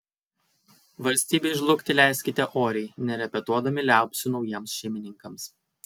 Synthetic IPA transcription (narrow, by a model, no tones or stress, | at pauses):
ʋɐlʲsʲt̪ʲiːbʲeɪʒlˠʊkʲt̪ʲɪlʲæɪsʲkʲɪt̪ʲɛʔoːɾʲɛɪnʲɛɾʲɛpʲɛt̪uɔd̪ɐmʲɪlʲæˑʊpʲsʲʊnɒʊjiɛmsʃʲɛɪmʲɪnʲɪŋkɐms